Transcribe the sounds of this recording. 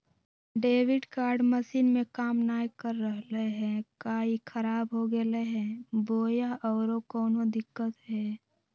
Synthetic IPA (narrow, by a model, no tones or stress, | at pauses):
ɖeːʋɪɖkaːɾɖməsiːnmẽkaːmnaːjkəɾːəɦleɦɛ̃ːkaːikʰəɾaːbɦoɡəleɦɛ̃ːboːjaʔɔːɾokɔːnod̪ɪkːət̪ɦɛː